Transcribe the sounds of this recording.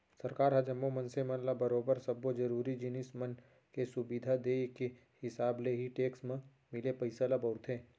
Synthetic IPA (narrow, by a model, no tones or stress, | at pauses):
sɐɾkaːɾɦɐd͡ʒəmːomɐ̃nsemɐ̃nlabɐɾoːbəɾsɐbːod͡ʒɐɾuːɾid͡ʒɪnɪsmən | kesʊbid̪ʱad̪eːke | hɪsaːbleɦiʈeːksmẽ | mɪlepɐɪsalabəʊt̪ʰẽː